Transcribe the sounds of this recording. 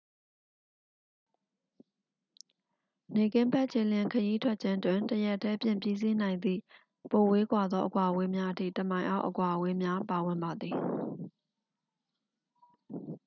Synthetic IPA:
ne˨kɪ̃˦mpɛ˦ʔt͡ɕʰe˨lɪ̃˨kʰəji˦tʰwɛ˦ʔ̚t͡ɕʰã˦ntwɪ̃˨ntəjɛ˦tʰːɛ˦pjɪ̰̃˦˨mpji˦zi˦nã˨ɪ̃nd̪ḭ˦˨ | po˨we˦kwa˨d̪ðɔ˦ʔəkwa˨əwe˦mja˦ʔətʰḭ˦˨tə˨mã˨ɪ̃ʔa̰˦ʊʔəkwa˨ʔəwe˦mja˦pa˨wɪ̃˨mba˨d̪ði˨

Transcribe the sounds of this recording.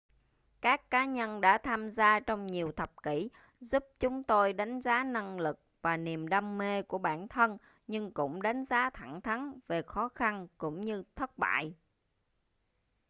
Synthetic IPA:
kaː˦˥kːaː˨˦ɲə˧nɗa̰ː˧˥t̪ʰaː˧mzaː˧t͡ɕɔ˧wŋ͡mɲi˨˩əwt̪ʰə˨˩p̚ki˧˩ | zu˦˥p̚t͡ɕʊ˨˦ŋ͡mt̪o˧jɗa˨˦jŋ̟zaː˨˦na˧ŋlɨ˨˩k̚vaː˨˩ni˨˩əmɗa˧mːe˧ku˧˩əɓa̰ː˧˩nt̪ʰə˧n | ɲɨ˧ŋkʊ̰˧˥ŋ͡mɗa˨˦jŋ̟zaː˨˦t̪ʰa˧˩ŋt̪ʰa˨˦nve˨˩xɔ˨˦xa˧nkʊ̰˧˥ŋ͡mɲɨ˧t̪ʰə˦˥t̚ɓa̰ː˧˨j

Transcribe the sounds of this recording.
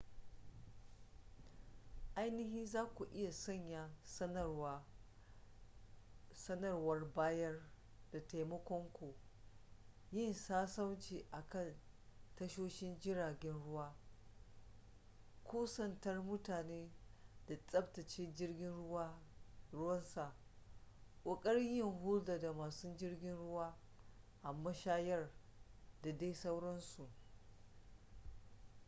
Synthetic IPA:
ʔa˦jnɪ˦ɦɪ˦nzaː˦kʷu˨ʔɪ˦ja˨sɐ˦˨ɲja˨ɐ˦ | sɐ˦nɐ˦˨rwɐ˦rbaː˦jɐ˦r | d̥a˨ta˨jmɐ˦kʷɔ˦ŋkʷo˨ | jɪ˦˨nsaː˦sɐ˦wt͡ʃiː˨ʔa˨kɐ˦˨n | tɐ˦ʃoː˦ʃɪ˦nd͡ʒɪ˦ɾaː˨ɡʲɛ˦nɽʊ˦waː˦ | kʷoː˦sɐ˦ntɐ˦rmʊ˦taː˨neː˦da˨t͡sʼɐ˦btɐ˨t͡ʃeː˦d͡ʒɪ˦rɡʲɪ˦ɾʊ˦wɐ˦nsa˨ʔ | kʷʼɐ˨kʼɐ˦ɽjɪ˦˨ŋhʊ˦lda˨da˨maː˨su˦d͡ʒɪ˦rɡʲɪ˦nɽʊ˦waː˦ | ʔa˨mːɐ˦ʃaː˦jɐ˦rda˨da˦jsa˦wɽɐ˦nsu˨ʔ

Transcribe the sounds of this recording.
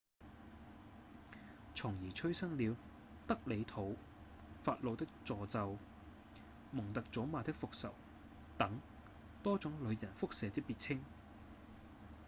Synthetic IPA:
t͡ʃʰʊ˨˩ŋjiː˨˩t͡ʃʰɵ˥ɥsɐ˥ŋliː˨˧w | t̪ɐ˥k̚le˨˧jt̪ʰo˨˥w | faː˧t̚lo˨˧wt̪ɪ˥k̚t͡sɔː˨t͡sɐ˨w | mʊ˨˩ŋt̪ɐ˨k̚t͡so˨˥maː˨˧t̪ɪ˥k̚fʊ˨k̚sɐ˨˩w | t̪ɐ˨˥ŋ | t̪ɔː˥t͡sʊ˨˥ŋlɵ˨˧ɥjɐ˨˩nfʊ˥k̚sɛː˨˧t̪ɪ˥k̚piː˨t̚t͡sʰɪ˥ŋ

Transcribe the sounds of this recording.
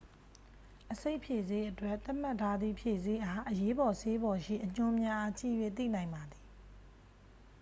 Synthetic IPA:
ʔəse˦ɪʔpʰje˨ze˦ʔətwɛ˦ʔt̪a˦˨m̥a˦˨tʰːa˦d̪ðḭ˦˨pʰje˨ze˨˦ʔa˦ʔəje˦bɔ˨sʰe˦bɔ˨ʃḭ˦˨ʔəɲ̥ʊ̃˦mja˦ʔa˦t͡ɕḭ˦˨jwḛ˦˨t̪ḭ˦˨nã˨ɪ̃mba˨d̪ði̥˨

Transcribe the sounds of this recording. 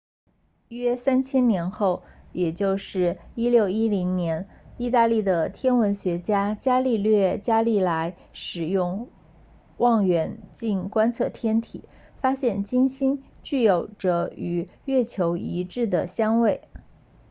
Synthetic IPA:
ɥɛ˥sa˥nt͡ɕʰjɛ˥nnjɛ˧˥nxo˥˩ʊjɛ˨˩t͡ɕjo˥˧ʊʂɻ̩˥˩i˥ljo˥˩ʊi˥li˧˥ŋnjɛ˧˥ni˥˧t̪a˥˧li˥˩d̪ə˩t̪ʰjɛ˥nwə˧˥nɕɥɛ˧˥t͡ɕja˥t͡ɕja˥li˥˧lɥɛ˥˧t͡ɕja˥li˥˩la˧˥ɪ | ʂɻ̩˨˩jʊ˥˧ŋ | wɑ˥˩ŋɥɛ˧˥nt͡ɕi˥˩nkwa˥nt͡sʰɤ˥˩t̪ʰjɛ˥nt̪ʰḭ˨˩˦ | fa˥ɕjɛ˥˩nt͡ɕi˥nɕi˥nt͡ɕy˥˩jo˨˩ʊʈ͡ʂə˧˩y˨˩ɥɛ˥˩t͡ɕʰjo˧˥ʊi˧˥ʈ͡ʂɻ̩˥˩d̪ə˩ɕjɑ˥ŋwe˥˩ɪ

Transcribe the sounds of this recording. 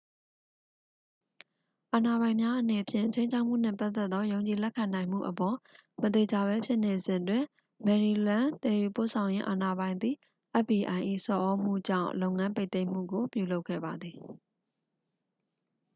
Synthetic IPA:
ʔa˨na˨bã˨ɪ̃mja˦ʔəne˨əpʰjɪ̰̃˦˨t͡ɕʰẽ˦ɪ̃ɲt͡ɕʰa˦ʊʔm̥ṵ˦˨n̥ɛ̰˦˨pa˦t̪ːɛ˦t̪ːɔ˦jõ˨ʊ̃ɲt͡ɕi˨lɛ˦kʰːã˨nã˨ɪ̃m̥ṵ˦˨ʔəpɔ˨mət̪e˨d͡ʑa˨βɛ˦pʰjɪ˦ʔne˨zɪ̃˨twɪ̃˨ | mɛ˨ɹi˨lã˦t̪ɛ˨ju˨po̰˦˨sʰã˨ʊ̃jɪ̰̃˦ʔa˨na˨bã˨ɪ̃nd̪ḭ˦˨ | ʔɛ˦bi˨ʔã˨ɪ̃ʔḭ˦˨sɔ˨ʔɔ˦m̥ṵ˦˨d͡ʑã̰˦˨ʊ̃lo˦ʊŋã˦mpe˦ɪt̪ẽ˦ɪ̃m̥ṵ˦˨ɡo˨pju˨lo˦ʊkʰːɛ̰˦˨ba˨d̪ði˨

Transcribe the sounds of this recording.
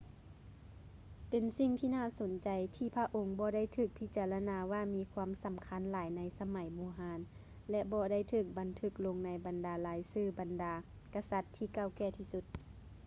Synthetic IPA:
pe˨nsi˧˨ŋt̪ʰiː˧naː˥˨so˨˦nt͡ɕa˨jt̪ʰiː˧˩pʰa˧ʔo˨˧ŋbɔː˧˦da˥˩˨jt̪ʰɯː˧˩k̚pʰi˧˥t͡ɕaː˧la˧naː˧waː˧˩miː˧˥kʰwaː˧˥˨msa˨˦mkʰa˧˥nlaː˨˩˦jna˧˥jsa˧ma˨˩˦jboː˧˦ɦaː˨˦n | lɛ˧bɔː˧da˥˩˨jt̪ʰɯː˧˩k̚ba˨˦nt̪ʰɯ˧˩k̚lo˧ŋna˧jba˨ndaː˨˧˦laː˨˦jsɯː˧˩ba˨ndaː˨˦ | ka˧sa˧˦t̪ʰːiː˧˩ka˧˥˩wkɛː˧˩t̪ʰiː˧˩su˧t̪̚

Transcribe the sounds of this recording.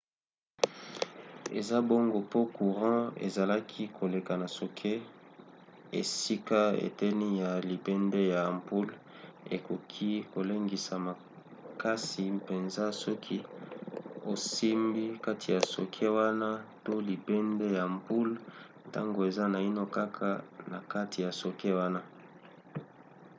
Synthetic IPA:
ḛ˨za˦bo˦ŋɡo˨po˦ku˨ʁɑ̃˦ḛ˨za˨la˦kʰi˦kʰo˨le˨ka˨na˨so˨kʰe˦ | ḛ˨si˦ka˦ḛ˨tɛ˦ni˦ja˨li˨bɛ˦nde˦ja˨mpu˦l | ḛ˨ko˨kʰi˦ko˨le˦ŋɡi˨sa˨ma˨ | ka˦si˨pe˨nza˦sɔ˦kʰi˦ | o˨si˦mbi˦ka˦tʰi˨ja˨so̰˨kʰe˦wa˦na˦to˦li˨bɛ˦ndɛ˦ja˨mpu˦l | ta̰˦ŋɡo˨e˨za˦na˨i˦no˦ka˦kʰa˦na˨ka˦ti˨ja˨so˨ke˦wa˦na˦

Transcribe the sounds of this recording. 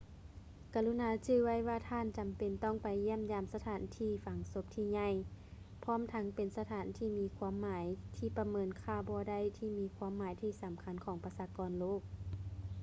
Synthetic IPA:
ka˨˧˩lu˧˥naː˨˦t͡ɕɯː˧˨wa˧˥˩jwaː˧˩t̪ʰaː˧˥˨nt͡ɕa˨mpe˨˩nt̪ɔ˧˥˩ŋpa˨˩jːi˧˥ə˨mjaː˧˨msa˧t̪ʰaː˨˩˦nt̪ʰiː˧˩fa˨˦ŋso˧˦p̚t̪ʰiː˧˩ɲa˧˩˨j | pʰɔː˧˥˨mt̪ʰa˧˥ŋpe˨nsa˧t̪ʰaː˨˩˦nt̪ʰiː˧˩miː˧kʰwaː˧˥˨mːaː˨˦jt̪ʰiː˧˩pa˧mɤː˧˥nkʰaː˧˩bɔː˧˦da˧˩˨jt̪ʰiː˧˩miː˧˥kʰwaː˧˥˨mːaː˨˦jt̪ʰiː˧˩sa˨˦mkʰa˧˥˨nkʰɔː˨˦ŋpa˧saː˧kɔː˧˨nloː˥˩k̚

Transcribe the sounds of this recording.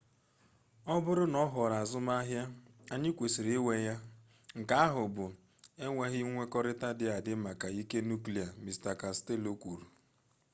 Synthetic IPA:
ɔ˦bʊ˦ɾʊ˦nɔ˦ɦɔ˨ɾa˨zʊ˦ma˦ɦja˦ | a˦ɲɪ˦kʷe˨si˨ɾe˨e˦we˦ja˦ | ŋ̩˨ka˦a˦ɦʊ˨bʊ˨ | e˦ŋʷe˦ɦɪ˦ŋʷe˦kɔ˦ɾɪ˦ta˦dɪ˦a˨dɪ˦ma˨ka˨i˦ke˦nu˦kli˨a˨mi˨sta˨ka˨ste˦˨lo˦kʷu˨ɾu˨

